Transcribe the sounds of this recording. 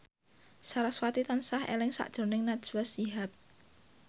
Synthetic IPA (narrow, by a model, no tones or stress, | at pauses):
saɾaswat̪it̪ansahḛlɪŋsa̰ʔd̥ʒ̥o̤nɪŋnad̥ʒ̥uwasiɦap̚